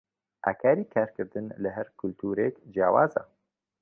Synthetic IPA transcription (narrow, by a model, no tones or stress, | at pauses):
ʔa̰ːkʰaːɾiːkʰaːɾkɨɾd̪ɨnlɨɦɛɾkʰʊlt̪ʰuːɾeːkd͡ʒjaːwaːza̰ː